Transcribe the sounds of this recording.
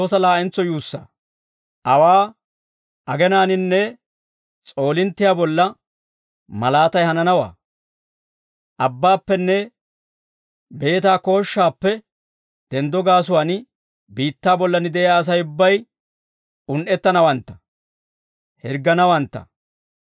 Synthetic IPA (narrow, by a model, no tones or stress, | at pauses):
oːsɐlaːʔɪnt͡sːɔjuːsːa̰ː | ʔɐwaː | ɐɡɛnaːnɪnːɛ | t͡sʼo̞ːlɪnt̪ːɪjaːbɔlːɐ | mɐlaːt̪ɐjhɐnɐnɐwa̰ː | ʔɐbːaːpːɛnːɛ | be̞ːt̪aːko̞ːʃːaːpːɛ | d̪̥ɛnd̪ɔɡaːs̬ʊwaːn | biːt̪ːaːbɔlːɐnɪd̪ɛjaːs̬ɐjʊbːɐj | ʊnʔɛt̪ːɐnɐwɐnt̪ːɐ̥ | hɛɾɡɐnɐwɐnt̪ːɐ̰